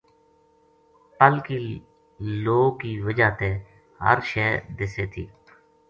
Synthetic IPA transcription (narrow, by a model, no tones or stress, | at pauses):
p̪əlkiː | loːkiːʋəd͡ʒaːt̪eː | ɦə̰ɾʃɛːd̪ɪseːt̪ʰiː